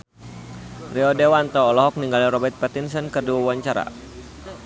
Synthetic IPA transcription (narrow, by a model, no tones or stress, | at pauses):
riɔdewant̪ɔːlɔɦɔk̚niŋɡalirɔbɛrt̪̚pɛt̪insɔnkərduawaɲt͡ʃaɾa̰